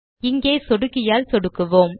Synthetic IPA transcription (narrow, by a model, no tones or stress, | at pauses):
ɪŋɡeːsɔɽɯkːɪjaːlsɔɽɯkːɯʋoːm